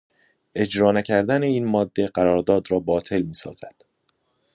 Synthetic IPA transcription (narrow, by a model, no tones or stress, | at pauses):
e̞d͡ʒɾɒːnæcʰæɾd̪æne̞iːnmɒːd̪ːe̞ɢæɾɒːɾd̪ɒːd̪ɾɒːbɒːt̪ʰe̞lmiːsɒ̰ːz̥æd̪̥